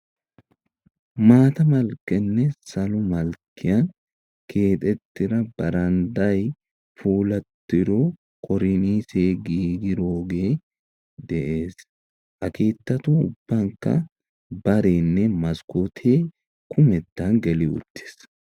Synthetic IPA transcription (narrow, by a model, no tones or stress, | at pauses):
maːt̪ɐmɐlkɛnːɛsɐlʊmɐlkːɪjɐn | kʰe̞ːt̪ʼɛt̪ːɪɾɐb̥ɐɾɐnd̪ɐj | fuːlɐt̪ːɪɾoː | kɔɾɪniːseːɡiːɡɪɾoːɡeː | d̪ɛʔeːs | ʔɐkeːt̪ːɐt̪uːʊb̥ːɐŋkɐ̰ | bɐɾeːnːɛmɐskot̪ʰeː | kʰʊmɛt̪ːaŋɡɛlɪʊ̰t̪ːɪ̥s